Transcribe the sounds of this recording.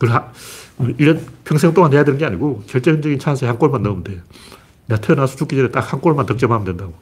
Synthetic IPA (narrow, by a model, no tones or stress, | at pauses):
kɯɾaɯiɾʌnpʰjʌŋsʰeŋt͈oŋanɦhe̞jadwenɯnɡe̞aɲiɡot͡ɕʌɭt͡ɕ͈end͡ʑʌɡint͡ɕʰans̬ʰeçjaŋk͈oɭmanːʌnde | natʰenasʰo̥t͡ɕuk͈id͡ʑʌnet͈ak̚hank͈oɭmantʌk̚t͡ɕ͈ʌmamɯndwendaɡo